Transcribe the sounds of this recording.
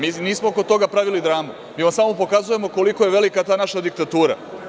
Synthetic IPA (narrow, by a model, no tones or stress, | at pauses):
miːniːsmooko̞t̪o̞ɡapɾaʋilid̪ɾaːmu | miːʋamsaːmopo̞kazuje̞mo̞ko̞likoje̞ʋe̞likat̪aːnaʃad̪ikt̪at̪uːɾa̰